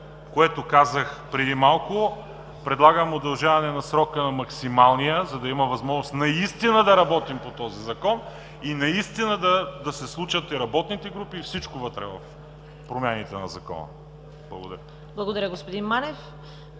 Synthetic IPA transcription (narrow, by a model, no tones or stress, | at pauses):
koɛt̪okazəxpɾɛd̪imalˠkʊ | pɾɛd̪lˠaɡəmod̪ɐlˠʒavɐnɛnɐsɾɔkənɐmɐksimalˠnijəzɐd̪ɐimɐvɐzmɔʒnost̪nɐist̪inəd̪ɐɾɐbɔt̪impot̪ɔzizɐkɔn | inɐist̪inəd̪ɐd̪ɐsɛslˠut͡ʃət̪iɾɐbɔt̪nit̪ɛɡɾupiːfsit͡ʃkovət̪ɾɛ̰vɐf | pɾomʲjanit̪ɛnɐ̰zɐkɔ̰nɐ̰ | b̥lˠɐ̰ɡod̪ɐ̰ɾʲjə | blˠɐɡod̪ɐɾʲəɡospod̪inmanɛf